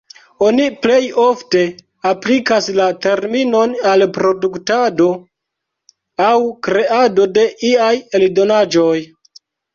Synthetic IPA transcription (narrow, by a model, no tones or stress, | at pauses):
o̞niple̞jo̞fte̞ | aplikaslate̞ɾmino̞nalpɾo̞duktado̞ | awkɾe̞ado̞de̞ʔiajeldo̞nad͡ʒo̞j